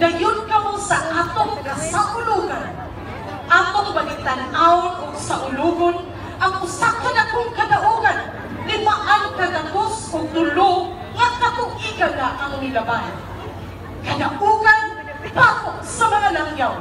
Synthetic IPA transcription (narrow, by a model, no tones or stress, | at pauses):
ɡajʊnkɐmʊsaʔat̪ʊŋkasaʔʊluɡan | ʔat̪ʊŋbaɡɪt̪anʔaʊnʔʊɡ̚saʔʊluɡʊn | ʔaŋʔʊsakːanakʊŋkad̪aʔuɡan | lɪmaʔaŋkadakʊsʊɡ̚t̪ʊlo | ŋat̪akʊŋiɡaɡaʔaŋmɪlaban | kad̪aʔuɡan | pakʊʔsamaŋalaŋjaw